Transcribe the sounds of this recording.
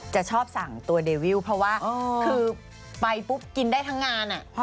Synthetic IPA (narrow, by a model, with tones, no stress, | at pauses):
t͡ɕa˨˩ʔt͡ɕʰɔː˥˩p̚sa˨˩˦ŋt̪u˧ɐdeː˧wi˥˩wpʰɾɔ˦˥waː˥˩ʔɤː˧kʰɯː˧ | pa˧jpu˦˥p̚ki˧ndaː˥˩jt̪ʰa˦˥ŋːaː˧nʔa˨˩ʔʰ